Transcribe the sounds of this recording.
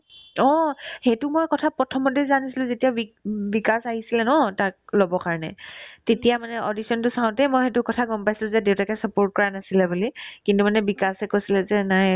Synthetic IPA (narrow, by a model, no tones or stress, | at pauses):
ɔxetʊmojkɔtʰapɹɔtʰɔmɔtɛzanisilʊ̃zetijabibikasaɦisilɛnɔtak̚lobɔkaɹɔnɛ̰tetijamanɛʔodisɔntʊsaʊ̃tɛmojxetʊkɔtʰaɡɔmpajsilʊ̃zɛdeʊtakɛsəpoɹt̚kɔɹanasilɛbulikintumanɛbikasɛkojsilɛzɛnaj